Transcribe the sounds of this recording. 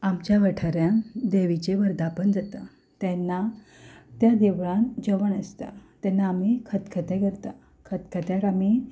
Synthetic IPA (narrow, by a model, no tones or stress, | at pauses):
amt͡ɕjaʋəʈʰəɾjand̪eʋit͡ɕeʋəɾd̪apəɳd͡zat̪a | t̪ɛnːa | t̪jad̪eʋɭãnd͡ʑəʋəɳəst̪a̰t̪ɛnːaːmikʰət̪kʰət̪ɛkəɾt̪a | kʰət̪kʰət̪jakami